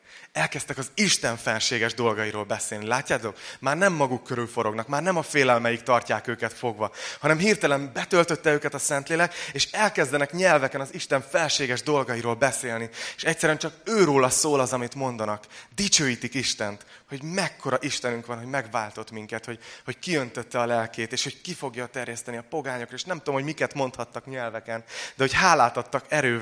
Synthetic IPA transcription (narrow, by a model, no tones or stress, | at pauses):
ɛlkɛst̪ɛkɒziʃt̪ɛɱfɛlʃeːɡɛʒd̪o̞lɡɒjiɾoːlbɛseːlnilaːcːaːt̪o̞kmaːrnɛmːɒɡukːøɾylfo̞ɾo̞ɡnɒkmaːrnɛmɒfeːlɛlmɛjikt̪ɒrcaːkøːkɛt̪fo̞ɡʋɒhɒnɛmɦirt̪ɛlɛmbɛt̪ølt̪ø̞t̪ːɛøːkɛt̪ɒsɛnt̪leːlɛkeːʃɛlkɛzd̪ɛnɛkɲɛlvɛkɛnɒziʃt̪ɛɱfɛlʃeːɡɛʒd̪o̞lɡɒjiɾoːlbɛseːlnieʃɛc̚tsɛɾyɛnt͡ʃɒkøːɾoːlɒsoːlɒzɒmit̪mo̞nd̪ɒnɒkd̪it͡ʃøːjit̪ikiʃt̪ɛnt̪ho̞ɟmɛkːo̞ɾɒʔiʃt̪ɛnyŋkʋɒnɦo̞ɟmɛɡvaːlt̪o̞t̪miŋkɛt̪ho̞ɟho̞ckiønt̪øt̪ːɛɒlɛlkeːt̪eːʃho̞ckifo̞ɡjɒt̪ɛrjɛst̪ɛniɒpo̞ɡaːɲokreːʃnɛmt̪ud̪mɦomikɛt̪mo̞nt̪hɒt̪ːɒkɲɛlvɛkɛnd̪ɛho̞chaːlaːt̪ɒt̪ːɒkɛɾøː